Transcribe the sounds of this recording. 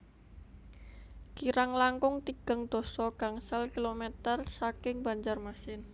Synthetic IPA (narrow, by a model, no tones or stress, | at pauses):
kiɾaŋlaŋkʊŋt̪iɡ̥ə̤ŋd̪̥o̤sɔɡ̥a̤ŋsalkilomet̪ərsakɪŋba̤ɲd͡ʒarmasɪn